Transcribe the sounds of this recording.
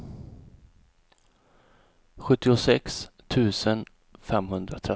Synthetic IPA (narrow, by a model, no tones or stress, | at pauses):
ɧɵt̪ːɪʊsɛkst̪ʰʉ̟ːsən | fɛmɦɵnd̪ɾat̪ʰɾɛ